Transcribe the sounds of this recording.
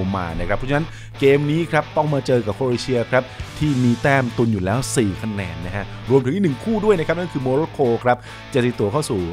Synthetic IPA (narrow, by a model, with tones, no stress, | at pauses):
ma̰ː˧na˥˩kɾa˦˥pʰːɾɔ˥t͡ɕa˧na˦˥n | keː˧mniː˦˥kʰɾa˦˥p̚t̪ɔ˥˩ŋmaː˧t͡ɕɤː˧ka˨˩p̚kʰoː˧ɾeː˧˩t͡ɕʰi˧ɐkʰɾa˦˥p̚t̪ʰiː˥˩miː˧t̪ɛː˥˩mt̪u˧njuː˨˩lɛː˦˥wsiː˨˩kʰa˧nɛː˧nːa˦˥kʰa˦˥ʔ | ɾu˧əmt̪ʰɯ˦ʔ̪i˥˩n˨˩ŋkʰuː˥˩du˥˩əjna˥kʰa˦˥p̚na˥˩nkʰɯː˧moː˧ɾoː˦˥kʰoː˧kʰɾa˦˥p̚ | t͡ɕa˨˩t̪ːi˨˩t̪u˨˩˦kʰa˥˩wsuː˨˩